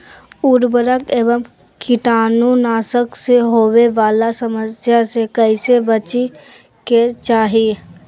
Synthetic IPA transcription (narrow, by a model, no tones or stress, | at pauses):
uɾbəɾəkeːʋəm | kʰɪʈaːnũnaːsəkseɦoːweʋaːlasəməsjasekəɪsebət͡ʃi | ket͡ʃaːɦie